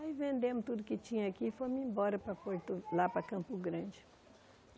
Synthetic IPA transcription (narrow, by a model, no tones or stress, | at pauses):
aivẽnd̪ẽmʊt̪ud̪ʊkɪt͡ʃĩɲɐakifojmĩmbɔɾɐpɾɐpoɾt̪ʊlapɾɐkɐ̃mpʊɡɾɐ̃d͡ʒɪ